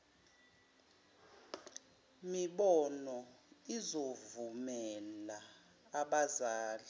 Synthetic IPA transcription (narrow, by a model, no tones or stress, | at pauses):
miɓɔnɔizovumɛlaː | ɓazaːli